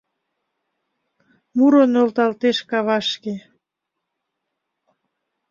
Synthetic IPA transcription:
muɾonølt̪ɑlt̪eʃkɑβɑʃke

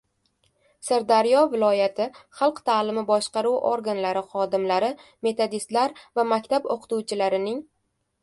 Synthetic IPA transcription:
saɾd̪aɾjɒvɪlˠɒjat̪ʰɪχɑlˠqt̪ʰaːlɪmɪbɒʃqɑɾuwʔoɾɡanlaɾɪχɒd̪ɪmlaɾɪ | me̞t̪ʰod̪ist̪laɾvamakʲt̪ʰaboqʰɨ̥t̪ʰuwt͡ʃʰɪlaɾɪnɪŋ

